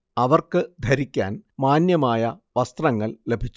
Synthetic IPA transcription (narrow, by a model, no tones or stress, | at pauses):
ɐʋɐrkɨd̪ʱɐɾikʲːa̰ːnmaːnjɐmaːjɐʋɐst̪rɐŋːɐɭle̞bʱit͡ɕː